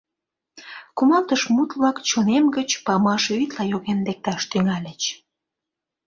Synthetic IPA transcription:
kumɑlt̪əʃmut̪βlɑkt͡ɕonemɡət͡ɕpɑmɑʃyt̪lɑjoɣend̪ek̚t̪ɑʃt̪yŋɑlʲət͡ɕ

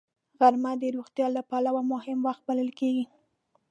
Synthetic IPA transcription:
ɣaɾmad̪əɾoɣt̪jɑlapalawamʊhɪmwaxt̪̚baləlkeɡi

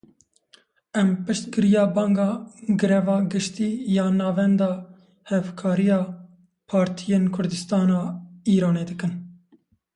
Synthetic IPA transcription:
ɛmpɨʃt̪ɡɨɾijɑːbɑːŋɡɑːɡɨɾɛvɑːɡɨʃt̪iːjɑːnɑːvɛnd̪ɑː | hɛvkʰɑːɾijɑː | pʰɑːɾt̪ʰijeːnkʰʊɾd̪ɨst̪ɑːnɑːiːɾɑːneːd̪ɨkɨn

